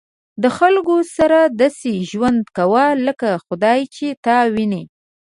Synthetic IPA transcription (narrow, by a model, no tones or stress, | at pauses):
d̪əxalkosaɾad̪ɑseʒwand̪kawaləkaxʊd̪ɑjt͡ʃet̪ɑwine